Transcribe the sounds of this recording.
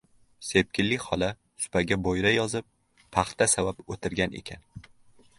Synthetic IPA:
se̞p̚kʲɪlːɪkʲhɒla | sʊ̥pʰaɡʲabojɾajɒzɪp̚ːʰ | ɑχt̪ʰasavapot̪ʰɪɾɡʲanʔḛkʲʰa̰n

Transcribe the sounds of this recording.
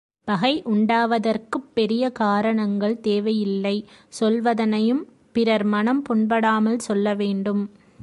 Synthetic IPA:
pɐɣɐɪʔʊɳɖaːʋɐðɐrkɯpːɛɾɪjɐkaːɾɐɳɐŋɡɐɭt̪eːʋɐjɪlːɐɪsɔlʋɐðɐnɐjɯm | pɪɾɐɾmɐnɐmpɔɳbɐɽaːmɐlsɔlːɐʋeːɳɖɯm

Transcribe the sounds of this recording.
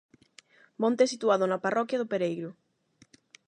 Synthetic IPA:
mõnt̪eɛsit̪uaðʊnaparɔkjaðʊpeɾejɾʊ

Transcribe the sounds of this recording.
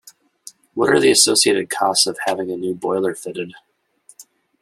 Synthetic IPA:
wʌɾə̰˞ðiɨsoʊsieɪɾɨd̚kʰɔstsʌv̥hævɪ̃ŋɨnʉbɔɪlˠə˞fɪɾɨd̥

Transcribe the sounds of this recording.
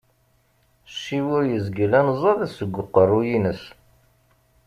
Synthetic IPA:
ʃːiwʊɾjəzɡəlænzˤɑðæsəɡʷːʊqːərˤːujinəs

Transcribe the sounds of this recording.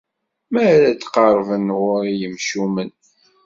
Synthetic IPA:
mæɾæt͡sːqɑɾˤvənʁʊɾijəmʃumən

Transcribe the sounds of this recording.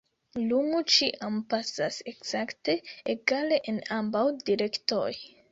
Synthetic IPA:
lumut͡ʃiʔampasase̞kz̥akte̞eɡale̞ʔenambawdiɾe̞kto̞j

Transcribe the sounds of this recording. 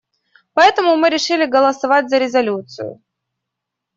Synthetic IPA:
pɐɛt̪əmʊmɨɾʲɪʂɨlʲɪɡəlˠəsɐvat̚ʲzəɾʲɪzɐlʲut̪sɨ̰jʊ̰

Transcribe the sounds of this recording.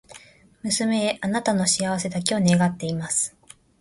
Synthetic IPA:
mɯ̟sɨme̞ːʔanat̪ano̞ɕiaβ̞ase̞d̪ak̬ʲione̞ɡat̪ːe̞imasɨ̥

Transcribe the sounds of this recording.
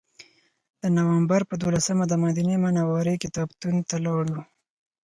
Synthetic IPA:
d̪̥ənawambaɾpəd̪olasamad̪əmɑd̪inemanawɑɾekɪt̪ɑbt̪unt̪alɑɽu

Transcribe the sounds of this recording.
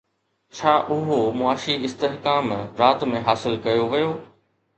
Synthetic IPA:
t͡ɕʰaːʔʊɦomʊaːʃiɪst̪eɦkaːmɾaːt̪mẽɦaːsɪlkɐjoʋɐjoː

